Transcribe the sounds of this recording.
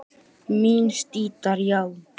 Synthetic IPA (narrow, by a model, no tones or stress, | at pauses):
minst̪it̪aɾjal